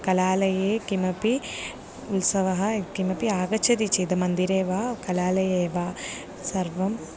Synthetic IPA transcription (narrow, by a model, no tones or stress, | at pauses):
kɐlaːlɐjeːkimɐpi | ulsɐʋɐɦɐkimɐpiaːɡɐt͡ʃʰɐd̪it͡ʃid̪ɐmɐnd̪iɾeːʋaːkɐlaːlɐjeːʋaː | sɐɾʋɐm